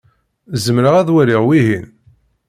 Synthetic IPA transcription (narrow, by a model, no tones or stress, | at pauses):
zəmɾəʁæðwæɾiʁwiɦin